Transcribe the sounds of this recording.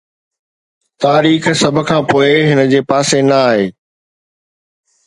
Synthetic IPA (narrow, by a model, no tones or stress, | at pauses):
t̪aːɾiːxsɐbʱkʰãːpoːeɦɪnə̆d͡ʑeːpaːsenɐaːɦeː